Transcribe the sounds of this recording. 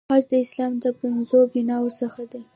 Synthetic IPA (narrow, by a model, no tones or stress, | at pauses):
ɑd͡ʒd̪əɪslɑmd̪əpɪnzobinɑwosəxad̪e